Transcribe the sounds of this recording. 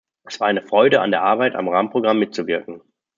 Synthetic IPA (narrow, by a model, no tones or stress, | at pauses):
ʔɛsv̥aːɐaɪnəfʁ̥ɔʏdəa̰ndeːɐʔaɐbaɪta̰mʁaːmənpʁ̥oɡʁamːɪt̚t͡suvɪɐkŋ̩